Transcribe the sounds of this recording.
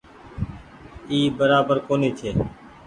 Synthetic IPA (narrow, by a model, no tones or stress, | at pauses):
iːbəɾaːbəɾkoːniːt͡ʃ̪ʰeː